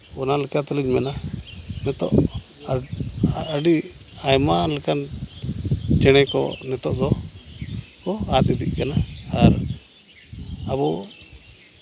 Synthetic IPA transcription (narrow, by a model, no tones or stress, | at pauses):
ɔnalɛkat̪ɛliɲmɛnanɛt̪ɔ̰ʔ | a | aɖiajmalɛkan | t͡ʃɛɽ̃ɛkɔ̰nɛt̪ɔʔd̪ɔ | kɔat̪̚id̪iʔ̚kanaːɾ | abɔ